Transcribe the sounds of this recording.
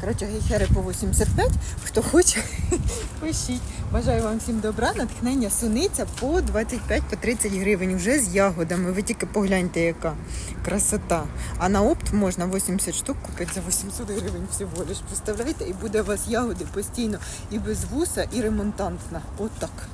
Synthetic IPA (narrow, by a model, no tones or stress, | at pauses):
kɐɾɔt͡ʃɐɦɪxɛɾɪpɔʋɔsʲimʲsʲɐt̪̚pʲatʲxt̪ɔxɔt͡ʃɛ | pɪʃitʲʋɐʒɑjʊʋɑmfsʲimd̪ɔbɾɛnɐt̪xnɛnʲːɐsʊnɪt͡sʲɐpɔd̪ʋɑt͡sʲːɐt̚ʲpʲjatʲpɔt̪ɾɪt͡sʲːɐtʲɦɾɪʋɪnʲwʒɛzʲjɑɦɔd̪ɐmɪʋɪtʲikɪpɔɦlʲanʲt̪ɛjɐkɑ | kɾɐsɐt̪ɑːnɐɔpt̪mɔʒnɐʋɔsʲimʲsʲɐt̪ʃt̪ukːʊpɪtʲzɐʋɔsʲimʲsʲɔt̪ɦɾɪʋɪnʲwsʲɪɦɔlʲɪʃpɔst̪ɐwlʲajt̪ɛibud̪ɛʋɑsjɑɦɔd̪ɪpɔsʲtʲijnɔ | ibezʋusɐʔiɾemɔnt̪ɑnt̪nɐ | ɔt̪ːɑk